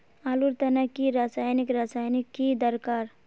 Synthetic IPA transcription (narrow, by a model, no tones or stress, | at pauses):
aːluɾt̪ɐnəkːiɾaːsaːjnikɾaːsaːjnikːid̪əɾkaːɾ